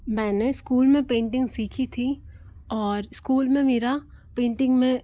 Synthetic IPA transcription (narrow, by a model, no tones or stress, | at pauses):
mɛ̃ːneskuːlmẽpẽːɳʈɪ̃ŋɡsiːkʰit̪ʰi | ɔːɾɪskuːlmẽmeːɾa | pẽːɳʈɪ̃ŋɡmẽ